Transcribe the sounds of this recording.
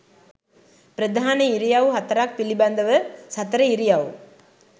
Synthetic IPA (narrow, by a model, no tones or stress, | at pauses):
pɪɾɐd̪ʱaːnɐɪɾɪjaːʋɦɐt̪ːɐɾaːk̚pɪlibɐːnd̪ɐʋɐsɐt̪ːɐɾɐɪɾɪjaːʋ